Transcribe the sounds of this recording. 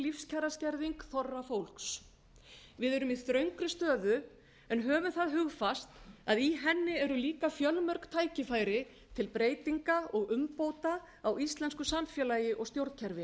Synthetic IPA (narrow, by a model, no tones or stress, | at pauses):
lifscʰɛrascɛɾðiŋkθɔrːafowl̥ks | vɪðɛɾʏmisɾœɥŋkɾʏst̪œːðʏ | ɛnɦœːvʏmθaðɦʏɣfast̪aðiɦɛnːɪɛɾʏliːkafjœlmœɾkt̪ʰaːjcɪfaːjɾɪ | t̪ʰɪlpɾeːjt̪iŋkaɔɣʏmpoːwt̪a | awist̪lɛnskʏsamfjɛlajɪʔɔɣst̪jowɾt̪cʰɛɾvɪ